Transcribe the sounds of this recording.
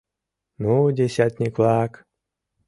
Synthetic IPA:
nudʲesʲat̪ʲnʲiklak

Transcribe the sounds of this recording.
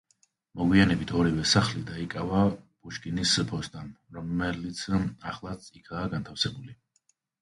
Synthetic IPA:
mɔɡwianɛbit̪ʰɔɾivɛsaχlid̪aikʼavab̥uʃkʼinispʰɔst̪ʼam | ɾɔmɛlit̪sʰaχlˠat̪sʼikʰaːɡant̪ʰafsɛbuli

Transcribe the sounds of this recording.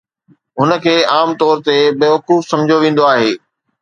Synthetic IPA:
ɦʊnə̆kʰeːaːmt̪ɔːɾt̪ebeːʋɐkuːfsɐ̃md͡ʑʱjoʋẽːn̆d̪oaːɦeː

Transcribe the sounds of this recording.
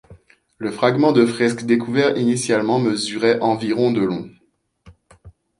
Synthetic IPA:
ləfχaɡmɑ̃d̪əfχɛskd̪ekuvɛʁinisjalmɑ̃məzyʁɛʔɑ̃viʁɔ̃d̪əlɔ̃

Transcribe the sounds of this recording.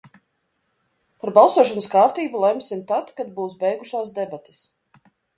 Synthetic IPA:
paɾbalˠsoɔʃ̬anəskaːɾt̪iːbulˠɛmsimt̪at̪kad̪̚buːsbɛjɡuʃaːsd̪ɛbat̪i̥s

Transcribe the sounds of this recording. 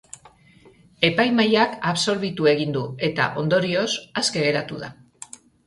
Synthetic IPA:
e̞pajmajakaβso̞ɾβ̞it̪ue̞ɣ̞ind̪ue̞t̪a̰ʔo̞nd̪o̞ɾio̞saske̞ɣe̞ɾat̪uða

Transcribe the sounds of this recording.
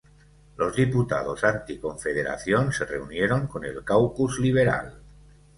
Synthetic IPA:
lozðiput̪a̰ð̞o̞sant̪iko̞ɱfeð̞eɾa̰θjonsereunjeɾo̞ŋko̞nḛlkawpuzliβ̞eɾa̰l

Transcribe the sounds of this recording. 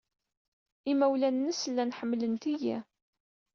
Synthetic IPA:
ɪmæwlænːəslːænħəmːlənt̪iji

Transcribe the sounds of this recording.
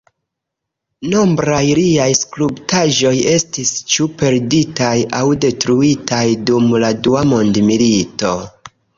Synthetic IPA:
no̞mbɾajɾiajsklubtaʒo̞je̞stist͡ʃupe̞ɾditajawde̞tɾuitʰajdumladuamo̞ndmilito̞

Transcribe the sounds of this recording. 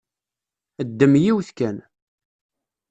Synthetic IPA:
əd̪ːəmjiwθkæn

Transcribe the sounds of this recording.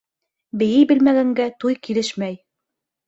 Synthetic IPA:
bɘ̆jɘjbɘ̆lmæɡæŋɡæt̪ujkilɘʃmæj

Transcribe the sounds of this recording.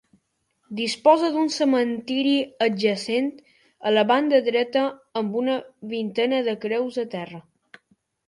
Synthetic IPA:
d̪ispɔzəðunsəmənt̪iɾiəd͡ʒəsent̪ | ələβand̪əðɾɛt̪əːmbunəβint̪ɛnəðəkɾɛwzət̪ɛrə

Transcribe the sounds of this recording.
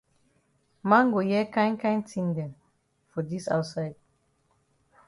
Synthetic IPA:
mãnɡojɛkãɪ̃nkãɪ̃ntʰĩndɛ̃m | fɔdisa̰ʊtsaɪd̥̚

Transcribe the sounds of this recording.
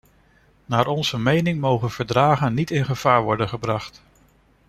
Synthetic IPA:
naːɹʔɔnzəmejnɪŋmowχənv̥əɹdraːχənːitɪnχəv̥aːɹʋɔɹdənχəbrɑχt

